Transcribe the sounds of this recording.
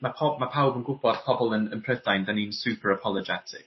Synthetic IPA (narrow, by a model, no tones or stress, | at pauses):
mapʰɔmapʰawbə̃nɡʊk̚b̥ɔdpʰɔbəlˠənə̃npʰɹ̥əθd̥aj̃ndəninsʉːpʰəɹəpʰɔlˠəd͡ʒɛ̰tʰɪk